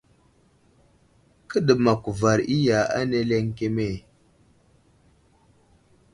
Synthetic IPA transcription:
kə˦də˨ma˨ku˨va˨ɾi˦ja˨a̰˦ne˦le˦ŋke˦me˦˨

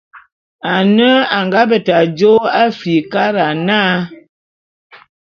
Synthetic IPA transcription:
a˨nə˦a˨ŋɡa˦bə˨ta˨d͡ʒo˦a˦fi˨ka˦ɾa˨naː˦

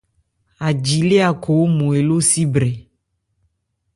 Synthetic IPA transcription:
a˨d͡ʒi˨le˦a˨kʰo˨˦mũ˨e˨lo˦si˦bɾɛ˨

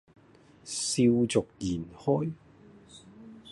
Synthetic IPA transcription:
siː˧wt͡sʊ˨k̚jiː˨˩nhɔː˥j

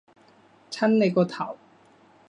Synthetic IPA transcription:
t͡sʰɐ˥nle˨˧jkɔː˧t̪ʰɐ˨˩w

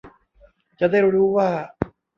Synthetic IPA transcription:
t͡ɕa˨da˥˩jɾuː˦˥waː˥˩

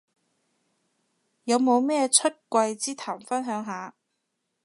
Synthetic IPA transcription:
jɐ˨˧wmo˨˧wmɛː˥t͡ʃʰɵ˥t̚kʷɐ˧jt͡siː˥t̪ʰaː˨˩mfɐ˥nɦœː˨˥ŋɦaː˨˧

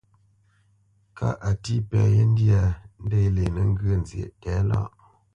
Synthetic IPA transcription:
kʰa̰˦ʔa˨ti˦pɛ˨je˦n̩˦di˦a˨n̩˦de˦le˨nə˨ŋ˦ɡə˦˨nzjḛ˨ʔtɛ˨˦la̰˦˨ʔ

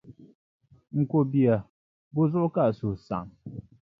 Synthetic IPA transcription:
ŋ̩˨ko˨bi˨a˨ | bo˦zʊ˦ʔka˦˨so˨sa̰˨ŋ

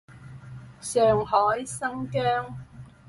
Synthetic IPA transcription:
sœː˨ŋhɔː˨˥jsɐ˥ŋkœː˥ŋ

